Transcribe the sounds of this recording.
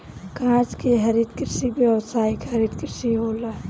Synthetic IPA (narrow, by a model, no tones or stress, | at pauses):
kãːt͡ʃkeɦɐɾit̪kɪɾsibjəʋsaːikhɐɾiːd̪kɪɾsiɦoːla